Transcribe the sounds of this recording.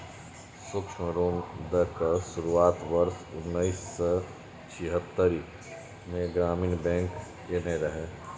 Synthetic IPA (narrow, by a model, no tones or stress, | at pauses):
sʊkʃməɾoːmd̪əkaʃʊɾuaːt̪ʋəɾsʊnːəisːe | t͡ʃʰɪɦət̪ːəɾi | mẽɡɾaːminbɛ̃ːŋkː | eneɾəɦeː